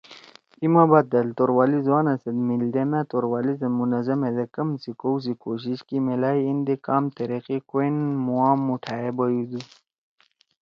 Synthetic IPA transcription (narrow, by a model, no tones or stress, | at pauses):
imabat̪̚d̪ɐlt̪oɾwaːlizwaːnɐsɐd̪mild̪emãt̪oɾwaːlizemunɐzɐmed̪ɐkɐmsikowz̬ikoɕiɕkimelaːiind̪ekaːmt̪ɐɾeqikoinmuwaːmːuʈʰaːebɐjud̪u